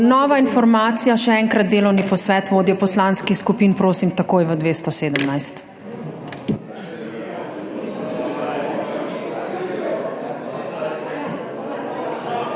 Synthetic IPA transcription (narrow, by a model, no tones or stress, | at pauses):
nɔːʋainfɔɾmaːt̪sijaʃɛɛŋkɾad̪̚d̪eːlɔwnipɔsʋɛːt̪ʋoːd̪ijɔpɔslaːnskixskupiːnpɾoːsimt̪ɐkoːjʋəd̪ʋeːst̪ɔseːd̪əmnajst̪